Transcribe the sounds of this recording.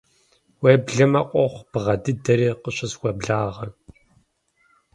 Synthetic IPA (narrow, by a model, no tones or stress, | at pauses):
weːbɮɐmɐqʷʼɔχʷb̥ʁɐdɨdɐɾiːqəɕɐswʷɐbɮaːʁɐ